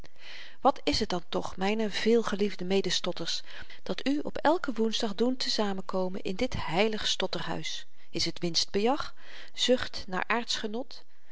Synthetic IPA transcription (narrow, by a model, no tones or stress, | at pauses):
ʋɑtɪsɦət̚dɑntɔχmɛjnəv̥ɪːlˠχəlivdəmejdəstɔtəɹs | d̥ɑtyɔpɛlˠkəʋunzdɑχduntəzaːmənkowmənʔɪ̰ndɪtɦɛjləχstɔtərɦœ̰ɥs | ɪsɦətʋɪnsd̚bəjɑχ | z̥ɵχtna̰ːɹʔaːɹtsχənɔt